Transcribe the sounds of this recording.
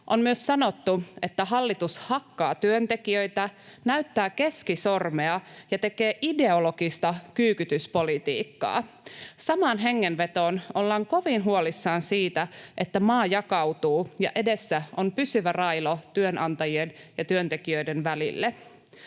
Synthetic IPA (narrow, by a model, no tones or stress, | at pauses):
ʔo̞nmyøssɑnot̪ːue̞t̪ːæɦɑlːit̪ushɑkːɑːt̪yønt̪e̞kiø̞jt̪ænæyt̪ːæːke̞skisormeɑjɑt̪e̞keːʔide̞olo̞ɡist̪ɑkyːkyt̪yspo̞lit̪ḭːkːɑ̰ː | sɑmɑːnɦe̞ŋːenʋe̞t̪oːnolːɑːŋko̞ʋinɦuolisːɑːnsiːt̪æʔet̪ːæmɑːjɑkɑwt̪uːjɑ̰ʔe̞de̞sːæʔompysyʋærɑjlot̪yønʔɑnt̪ɑjienjɑt̪yønt̪e̞kiøidenʋælḭlːe